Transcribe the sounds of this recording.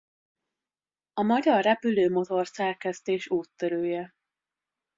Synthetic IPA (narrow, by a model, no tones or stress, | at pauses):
ɒmɒɟɒrːɛpyløːmo̞t̪o̞rsɛrkɛst̪eːʃuːt̪ːøɾøːjɛ